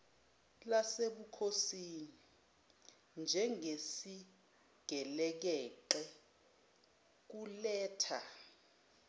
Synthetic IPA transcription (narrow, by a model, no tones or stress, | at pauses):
laseɓukʰosini | nd͡ʒʱɛŋesi | ɡ̥ʱɛlɛk̬ɛːǃɛ | k̬ulɛːtʰa